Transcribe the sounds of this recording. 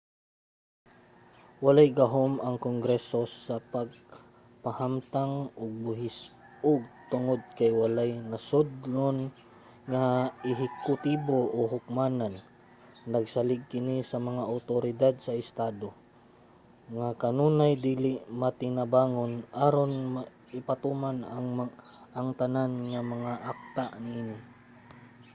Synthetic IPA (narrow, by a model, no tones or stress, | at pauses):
walajɡɐɦomɐŋkoŋɡɾɛsosɐpaɡ̚ | pahamt̪aŋʔʊɡ̚bʊɦɪs | ʔʊɡ̚t̪ʊŋod̪̚kajwalajnɐsʊd̪lon | ŋaɪɦɪkʊt̪iːboʔoɦʊk̚maːnanː | ɐɡsalɪɡ̚kɪnisɐmɐŋaʔawt̪oɾɪd̪ad̪̚sɐɪst̪aːd̪o | ŋakɐnuːnajd̪iːlɪʔmat̪ɪnabaːŋonʔaɾonma | ɪpat̪umanaŋʔaŋt̪ananŋamɐŋaʔak̚t̪aʔniːnɪ